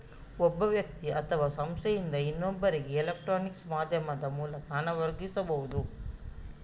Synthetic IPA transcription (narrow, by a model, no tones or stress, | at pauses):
ɔbːɐʋjɐk̚t̪iʔɐt̪ʰɐʋaːsɐmst̪ʰejind̪ɐinːombɐɾiɡeːlɐk̚ʈɾoːniksmaːd̪ʱjɐmɐd̪ɐmuːlɐkaanɐʋɐɾɡisɐbɐɦud̪u